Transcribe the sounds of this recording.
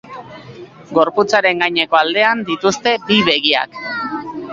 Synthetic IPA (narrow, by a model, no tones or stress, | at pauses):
ɡo̞ɾput͡saɾe̞ŋɡajɲe̞ko̞ald̪e̞and̪it̪ust̪e̞biβe̞ɣia̰k